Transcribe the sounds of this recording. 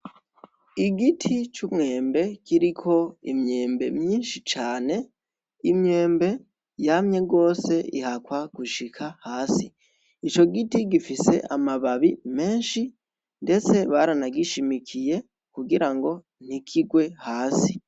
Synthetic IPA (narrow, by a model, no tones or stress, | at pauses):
iɡitʰit͡ʃumŋe̞ːmbe̞kiɾikʰo̞imɲe̞ːmbe̞̰mɲiːnʃit͡ʃaːne̞ | imɲe̞ːmbe̞ | jamɲe̞ɡo̞ːse̞ḭhakwaɡ̥uʃikʰahaːsi | it͡ʃo̞ɡitiɡifise̞̰ʔamaβaβime̞ːnʃi | nde̞t͡se̞βaɾanaɡiʃimikʰije̞ | kuɡiɾaŋɡo̞ | n̥ikʰiɡwe̞haːsi